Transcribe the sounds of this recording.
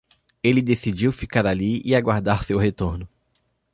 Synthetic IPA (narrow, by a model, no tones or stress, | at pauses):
elɪd̪esid͡ʒiwfikaɾaliɪaɡwaɾd̪aɾʊsewhet̪oɾnʊ